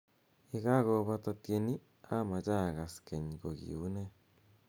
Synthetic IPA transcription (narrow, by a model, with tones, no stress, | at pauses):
e˨ɣa˦ɣo˨βa˦t̪o˧t̪je˧ni˦ | a˦ma˨t͡ʃa˦ɣa˨ske˨ni˨ɡo˨ɡḭ˨ṵ˦ne˦